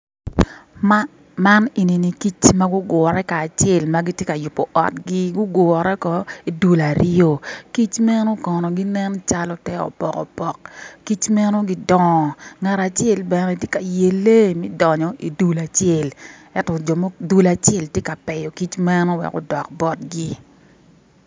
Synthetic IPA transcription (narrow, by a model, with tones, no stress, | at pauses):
ma˦ne˨ni˨ni˨ki˦t͡ʃma˦ɡʊ˦ɡɔ˨ɾɛ˦kaː˨t͡ʃe˦˨lma˦ɡi˦tje˦ka˨jʊ˨pːɔ˨ʔɔ̰˨tɡi˦ɡʊ˦ɡɔ˨ɾɛ˦kɔ˨˦i˨du˦la˨ɾɪo˦ki˦t͡ʃmɛ˦nɔ˦kɔ˨nɔ˨ɡi˦nɛ˦nt͡ʃa˦lɔ˦tɛ˦ɔ̰˨pɔ˨kɔ̰˨pɔ˦k̚ki˦t͡ʃmɛ˦no˦ɡi˦dɔ˦˨ŋa˨ɾa˨t͡ʃe˦lbɛ˨nɛ˦˨tje˦ka˨je˨lːe˦mɛ˦dɔ˨ɲɔ˨i˨du˦la˨t͡ʃe˦˨lɛ˦tɔ˨d͡ʒɔ˨mo˦du˦la˨t͡ʃe˦˨ltje˦ka˨pɛ˨jɔ˨ki˦t͡ʃmɛ˦nɔ˦wɛ̰˨kʊ̰˦dɔ˨k̚bɔ˦t̚ɡi˦